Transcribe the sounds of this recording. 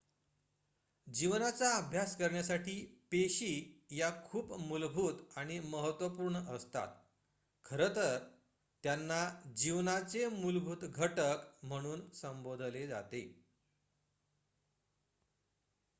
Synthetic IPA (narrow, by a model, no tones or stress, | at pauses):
d͡ʑiʋnat͡saəbʱjaskəɾɳjasaʈiːpeɕiːjakʰuːpmulbʱuːt̪aɽ̃iməɦət̪ʋəpuːɾɳəst̪a̰t̪ | kʰəɾət̪əɾ | t̪janːad͡ʑiʋnat͡semulbʱuːt̪ɡʱəʈəkm̤əɽ̃uːnsəmbod̪ʱled͡za̰t̪e